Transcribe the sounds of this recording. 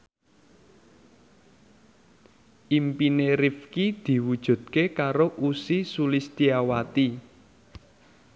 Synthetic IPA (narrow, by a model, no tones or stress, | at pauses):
ʔimpineɾifkid̪̥i̤wud̥ʒ̥ṳd̪̥̚kekaɾoʔusisulist̪iawat̪i